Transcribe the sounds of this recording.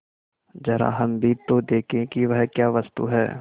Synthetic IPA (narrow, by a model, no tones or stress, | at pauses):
d͡ʒɐɾa̰ɦɐmbʱit̪od̪eːkʰẽkiʋɐɦkjaːʋɐst̪ṵɦɛ̰ː